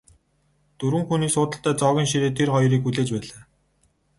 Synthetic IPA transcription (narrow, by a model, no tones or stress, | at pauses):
t̪ɵɾwɘ̆ŋxuniːksʊːt̪ə̆ɬt̪æːt͡sɔɣʲiːŋʃiɾeːt̪ʰerχɔjriːkuɮeːt͡ɕpæːɮaː